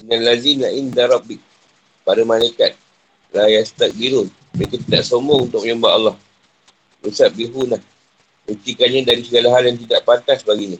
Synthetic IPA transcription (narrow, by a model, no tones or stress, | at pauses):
inalːazinaʔindaɾˤɑbɪk̚ | paɾamalaikat̪̚ | lajast̪ak̚biɾʊn | məekat̪idaʔsomount̪ʊk̚ɲəmbaʔɑlːɑh | ɾusat̪̚biɦunah | bət̪ikanɲãdaɾisəɡalaɦaljaŋt̪idaʔpant̪asbaɡaɲã